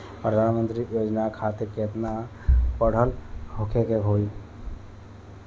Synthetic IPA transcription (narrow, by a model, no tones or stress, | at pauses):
pɾəd̪ʱanmənt̪ɾijod͡ʒnakʰat̪eket̪na | pəɽ̤əlhokʰekeɦoj